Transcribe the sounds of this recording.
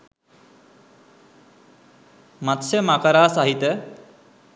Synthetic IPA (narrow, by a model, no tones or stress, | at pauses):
mat̪səmakəɾaːsaɦit̪ə